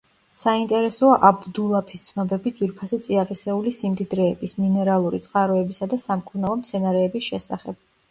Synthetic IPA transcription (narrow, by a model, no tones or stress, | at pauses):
saint̪ʼɛɾɛsɔaʔabd̪ulˠapʰist̪sʰnɔbɛbid̪z̥wiɾpʰasɛt̪sʼiaʁisɛulisimd̪id̪ɾɛːbisminɛɾalˠuɾḭt̪sʼqʼaɾɔɛbisad̪asamkʰʼuɾnalˠɔmt̪sʰɛnaɾɛːbisʃɛsa̰χɛ̰b̥